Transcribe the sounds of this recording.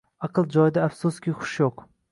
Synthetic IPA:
ɑqɨlˠd͡ʒɒjd̪aːfsuskʲʰiχʊ̥ʃjoq

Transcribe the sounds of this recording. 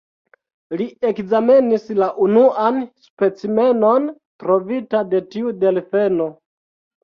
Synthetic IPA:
lie̞kzame̞nislaʔunuanspe̞t͡sime̞no̞n | tɾo̞vitade̞tiude̞lfe̞no̞

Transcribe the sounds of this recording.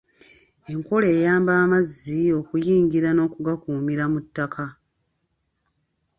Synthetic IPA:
e̞ŋko̞le̞ːjaːmbaːmazːio̞kujiːŋɟiɾano̞ːkuɡakuːmiɾamutːakʰa

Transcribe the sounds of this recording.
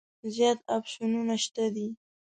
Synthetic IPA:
zjɑt̪apʃununaʃt̪ad̪i

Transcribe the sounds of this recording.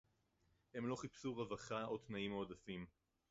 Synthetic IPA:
he̞mlo̞χipsuʁevaχaot̪naimaodafim

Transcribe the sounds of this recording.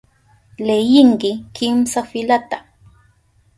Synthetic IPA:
lejɪŋkɪkɪmsafɪlat̪a

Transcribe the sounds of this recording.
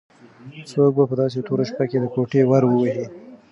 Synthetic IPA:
sok̚bapəd̪ɑs̬et̪oɾoʃpaked̪əkoʈewaɾwəwahi

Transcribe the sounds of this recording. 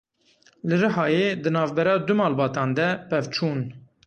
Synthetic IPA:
lɨɾəɦɑːjeːd̪ɨnɑːvbɛɾɑːd̪ʊmɑːlbɑːt̪ɑːnd̪ɛpɛvt͡ʃʰuːn

